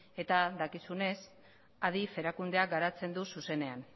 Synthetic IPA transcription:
e̞t̪aðakisune̞s | aðife̞ɾakund̪eaɡaɾat͡se̞nd̪ususe̞ne̞an

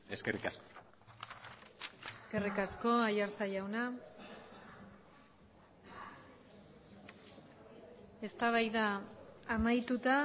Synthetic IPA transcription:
eskerikasko | eke̞rikasko̞ajaɾt͡sajawna | e̞st̪aβajðaː | majt̪ut̪a

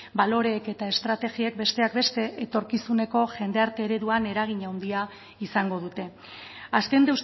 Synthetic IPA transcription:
balo̞ɾe̞ːke̞t̪ae̞st̪ɾat̪e̞ɣiek̚be̞st̪e̞akbe̞st̪e̞ʔet̪o̞ɾkisune̞ko̞ʝe̞nd̪e̞aɾt̪e̞ːɾe̞ðuane̞ɾaɣ̞iɲawnd̪ia | isaŋɡo̞ð̞ut̪e̞ | aske̞nd̪ews

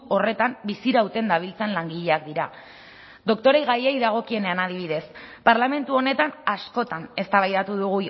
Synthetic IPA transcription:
o̞re̞t̪ambisiɾawt̪e̞nd̪aβ̞ilt͡se̞nlaŋɡiʎe̞ak̚d̪iɾa | d̪o̞kt̪o̞ɾejɣajejðaɣ̞o̞kie̞ne̞anaðiβ̞iðe̞spaɾlame̞nt̪uo̞ne̞t̪anasko̞t̪ane̞st̪aβajðat̪uðuɣu

